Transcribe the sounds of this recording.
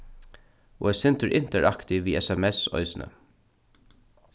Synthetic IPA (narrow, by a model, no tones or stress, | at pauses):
ɔɛsɪnt̪əɹʔɪn̥t̪əɹʔakt̪ɪʋiːɛsɛmɛsɔ̰ʏsɪnə̰